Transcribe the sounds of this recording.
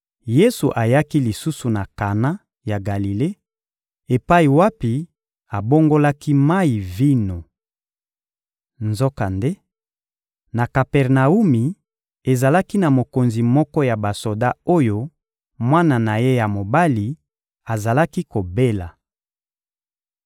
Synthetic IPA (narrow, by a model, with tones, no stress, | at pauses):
je˦su˨ʔa˨ja˦ki˦li˨su˦su˨na˨ka˨na˦ | ja˨ɡa˨li˨le˦ | e˨pa˦i˨wa˦pi˨ | a˨bo˦ŋɡo˦la˦ki˦ma˦i˨vi˦no˨ | nzo˦ka˨nde˦ | na˨ka˨pɛ˨ʁna˨u˦mi˨ | e˨za˨la˦ki˦na˨mo˨ko˨nzi˨mɔ˦kɔ˦ja˨ba˨so˨da˦o˦jo˦ | mwa˦na˨na˨je˦ja˨mo˨ba˦li˨ | a˨za˨la˦ki˦ko˨be˦la˨